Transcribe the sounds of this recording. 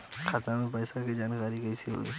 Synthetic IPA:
kʰat̪amẽpɛːsakid͡ʒaːnkaːɾikɐɪsiɦo̰ːɡḭː

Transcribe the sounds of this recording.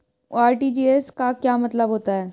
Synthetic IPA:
aːɾʈiːd͡ʒiːeskakjaːmɐt̪ləbɦoːt̪aɦɛː

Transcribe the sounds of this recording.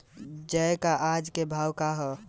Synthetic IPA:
d͡ʒəkaʔad͡ʒkebʱawkaɦɔ

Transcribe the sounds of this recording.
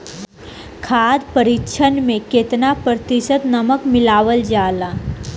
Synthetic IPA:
kʰaːd̪pəɾɪkʃʰənmẽket̪napɾət̪ɪʃət̪nɐməkmɪlaːʋəld͡ʒaːlaː

